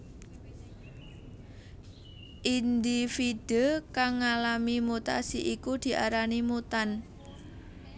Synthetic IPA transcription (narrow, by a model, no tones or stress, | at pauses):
ʔind̪ifiɖ̪̥əkaŋːalamimut̪a̰siʔikud̪̥i̤ʔaɾanimut̪an